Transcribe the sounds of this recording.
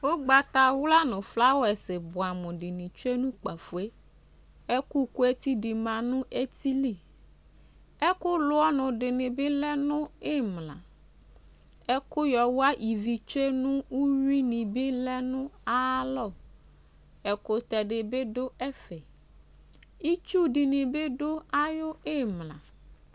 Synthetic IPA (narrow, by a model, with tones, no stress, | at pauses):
wo˦ɡ͡ba˨t̪a˨wla˦nʊ̃˨fla˦wɛ˨sɪ˨bʊ˨a˨mʊ̃˨ɖɪ˨nɪ̃˨t͡ʃe˦nũ˦k͡pa˨fu˨e˦ | ɛ˦ku˦ku˦e˦t̪i˦dɪ˨mã˨nʊ̃˦e˦t̪i˦li˦˨ | ɛ˦kʊ˦lʊ˦ɔ˦nʊ̃˨ɖɪ˨nɪ̃˨bɪ˦lɛ˦nʊ̃˦e˦mlã̰˨ | ɛ˦kʊ˦jɔ˨wa˦ʔi˨vi˨t͡ʃe˦nʊ̃˦u˦ɾi˦nɪ̃˨bɪ˦lɛ˦nʊ̃˦a˦lɔ˦˨ | ɛ˨kʊ˨t̪ɛ˨ɖɪ˨be˦do˦ɛ˦fɛ˨ | i˦t͡ʃu˦dɪ˨nɪ̃˨be˦do˦a˦jʊ˦e˦˨mlã̰˨